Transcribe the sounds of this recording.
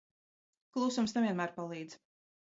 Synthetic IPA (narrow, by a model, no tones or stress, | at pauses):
klˠusumsnɛviɛnmæːɾpalˠiːd̪z̥